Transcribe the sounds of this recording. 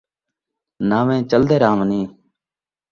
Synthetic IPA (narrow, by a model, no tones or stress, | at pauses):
naːʋẽːt͡ʃəld̪eːɾaːmniː